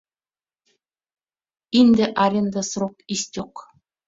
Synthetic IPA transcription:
ind̪ʲɘ̆ʔɑɾʲĕnd̪ɑsrokisʲt̪ʲoq

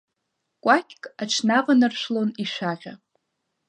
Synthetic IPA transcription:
kʷʼakʲʰkʼaʈ͡ʂʰnaqʼanɨrʃʷloniʃʷaʁʲa

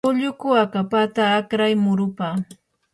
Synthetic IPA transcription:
ʊʎʊkʊakapat̪aːkɾajmʊɾʊpa

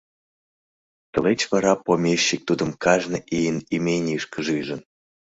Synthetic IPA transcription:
t̪əlet͡ɕβɑɾɑpomʲeɕːik̚t̪ud̪ə̆mkɑʒnə̆ʔijənimʲenʲʃkəʒɯjʒə̆n

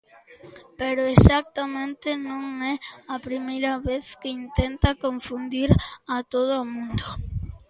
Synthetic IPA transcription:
pɛɾʊesak̚t̪ɐmẽnt̪ɪnõŋɛɐpɾimejɾɐβeθkɪint̪ent̪ɐkõɱfũnd̪iɾɐt̪oð̞ʊomũnd̪o

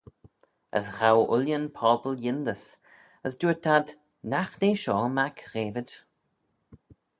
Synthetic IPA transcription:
ə̰sxawʔʊljənpʰɔːpəljɪnd̪əs | əsduːət̪ʰːad̪ | naxneːʃɔːmakɾeːvəd

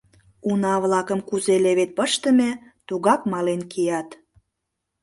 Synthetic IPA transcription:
unɑβlɑkəmkuzeleβet̪̚pəʃt̪ə̆met̪uɣɑkmɑlenkijɑt̪

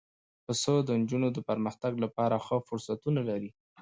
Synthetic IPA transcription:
pəsod̪ənd͡ʒunod̪əpəɾməxt̪aɡlapɑɾaxəfʊɾsat̪unalaɾi

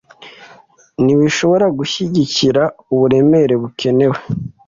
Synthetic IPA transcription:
niwiʃo̞βo̞ɾaɡuçiɟiciɾauβuɾe̞me̞ɾe̞βukʰe̞ne̞we

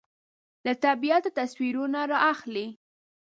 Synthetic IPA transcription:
lat̪abijat̪ot̪aswiɾunaɾɑʔaxli

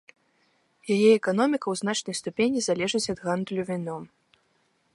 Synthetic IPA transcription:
jajɛɛkanɔmʲikɐwzn̪at͡ʂnɐjst̪upʲenʲizalʲɛʐɨt͡sʲɐd̪ɣand̪lʲuvʲinɔ

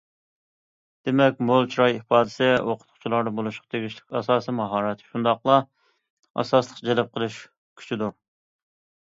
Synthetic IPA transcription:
d̪̥emɛkʲmolˠt͡ʃʰɾɑjipɑːd̪ɪ̥sɪoqʰʊt̪qʰʊ̥t͡ʃʰilˠɑɾd̪ɑbolˠuʃqɑ̥t̪ʰeɡʲiʃlɪ̥kʲɑsɑːsimɑɦɑːɾɛt̪ʃund̪ɑqlˠɑ | ɑ̰sɑslˠə̥qd͡ʒɛlɛp̚qʰəlˠuʃ | kʲʰy̥t͡ʃʰid̪u

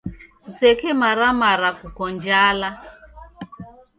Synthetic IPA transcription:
m̩sekemaɾamaɾakukɔnd͡ʒala

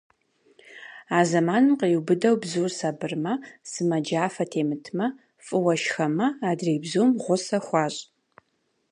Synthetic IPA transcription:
aːzɐmaːnɨmqewbɨdɐwbzuːrsabɨrmɐsɨmɐd͡ʒaːfɐtʰeːmɨtʰmɐ | fʼɨwɐʃxɐmɐaːdreːbzuːmʁʷʊsɐxʷɑːɕʼ

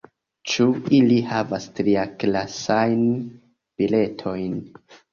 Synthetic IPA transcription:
t͡ʃuilihavastɾiaklasajn | b̥ile̞tʰo̞jn

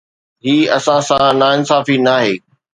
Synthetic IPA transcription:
ɦiːɐsãsãnaːɪnsaːfinaːɦeː

